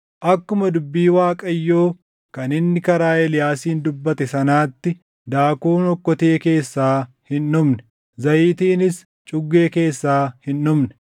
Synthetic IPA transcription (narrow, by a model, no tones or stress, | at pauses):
ʔɐkːʊmɐd̪ʊbːiːwaːkʼɐjːoː | kɐnɪnːɪkɐɾaːɛlɪjaːsiːnd̪ʊbːɐt̪ɛsɐnaːt̪ːɪ | d̪aːkuːnɔkːɔt̪eːke̞ːsːaː | hɪnːʊmnɛ̥ | zɐjiːt̪iːnɪs | t͡ʃʼʊɡːe̞ːke̞ːsːaːhɪnːʊmnɛ̥